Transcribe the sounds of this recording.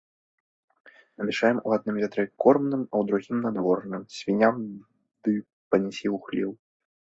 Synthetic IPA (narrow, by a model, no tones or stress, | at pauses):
nɐmʲɛʂajɛmuad̪̚nɨmʲvʲat̪ɾɛkʰɔrmnɨmɐwd̪ɾuɣʲimnad̪vɔrnɨmsʲvʲinʲam | d̪ɨ | pɐnʲɛsʲiwxlʲiw